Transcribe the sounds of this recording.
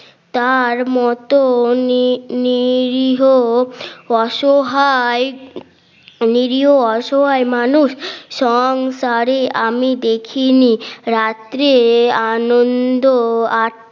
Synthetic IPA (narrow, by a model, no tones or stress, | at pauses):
t̪aɾmɔt̪o | niɾiɦo | ɔʃoɦae | niɾiɦoɔʃoɦaemanuʃʃɔŋsaɾeamid̪ekʰiniɾat̪ɾeanond̪oa